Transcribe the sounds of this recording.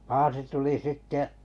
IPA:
pɑːsi tuli sitːeʔ

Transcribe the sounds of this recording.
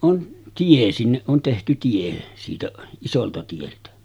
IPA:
ʔon tie sinːeʔ ʔon tehty tie siːtæ isoltɑ tieltæ

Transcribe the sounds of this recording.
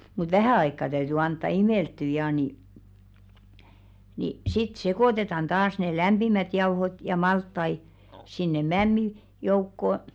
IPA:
mut ʋæhæˑ ɑikːɑ tæyty ɑntːɑ imeˑltːy jɑː ni ni sit sekoˑtetɑn tɑːs ne læmb̥imæt jɑuhot jɑ mɑltːɑi sinːe mæmːi joukːo

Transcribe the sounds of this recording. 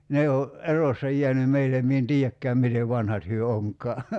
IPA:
ne o ʔerosːɑ jiæny meilem mie en tiːækːæːm miteʋ ʋɑnhɑt hyø oŋkˑɑː

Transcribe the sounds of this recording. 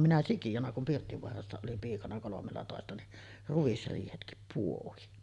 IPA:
minæ sikijonɑ kum pirtːiʋoɑrɑsːɑ olim piːkɑnɑ kolomelːɑtoˑestɑ ni ruisriːhetkip puohin

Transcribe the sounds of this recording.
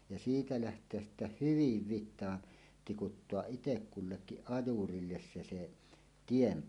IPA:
jɑ siːtæ læhtˑeæs sitːæ hyʋiʋ ʋitˑɑːn tikutːoɑʔ ʔitekːulːekːiʔ ʔɑjurilːes se se tiem

